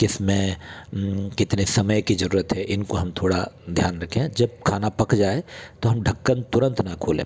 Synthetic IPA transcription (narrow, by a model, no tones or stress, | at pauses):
kɪsmẽ | kɪt̪nesɐməjkizɐɾuːɾət̪ɦɛʔɪnkoɦɐmt̪ʰoːɽad̪ʱjaːnɾɐkʰẽd͡ʒɐb̚kʰaːnapɐkd͡ʒaːet̪oɦɐmɖʱɐkːənt̪ʊɾə̃nt̪nakʰoːlḛ̃